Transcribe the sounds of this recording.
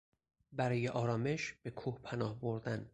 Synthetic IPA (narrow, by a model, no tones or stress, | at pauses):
bæɾɒːjeʔɒːɾɒːme̞ʃb̥ekʰuːhpʰænɒːhboɾd̪æn